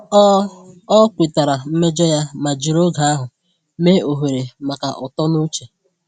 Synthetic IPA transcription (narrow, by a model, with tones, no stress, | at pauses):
ɔ˦kʷi˨ta˨ɾa˨m̩˦me˦d͡ʒɔ˦ja˦ma˨d͡ʒi˨ɾo˦ɡa˨a˦ɦʊ˨ | me˦o˨ɦe˨ɾe˨ma˨ka˨ʔɔ˨tɔ˦nu˦t͡ʃe˨